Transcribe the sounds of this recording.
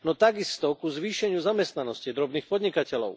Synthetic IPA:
nɔt̪aɡist̪ɔkuzʋiːʃɛɲɪuzamɛst̪nanɔscid̪ɾɔbniːxpɔd̪ɲikacɛlɔ̰ʊ

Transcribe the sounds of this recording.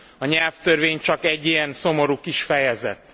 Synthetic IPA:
ɒɲɛlft̪ørveːɲt͡ʃɒkɛɟːijɛnso̞mo̞ɾuːkiʃfɛjɛzɛ̰t̪

